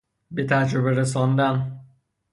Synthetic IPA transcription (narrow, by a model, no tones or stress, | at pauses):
be̞t̪ʰæd͡ʒɾobeɾes̬ɒnd̪æn